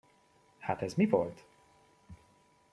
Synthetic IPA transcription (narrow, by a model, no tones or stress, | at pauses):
hat̪ɛzmivo̰lt̪